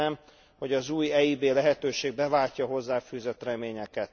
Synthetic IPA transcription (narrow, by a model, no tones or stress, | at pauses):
ɛm | ho̞ɟɒzuːjɛibeːlɛɦɛt̪øːʃeːɡ̚bɛvaːcːɒɦo̞zːaːfyːzøt̪rɛmeːɲɛkɛt̪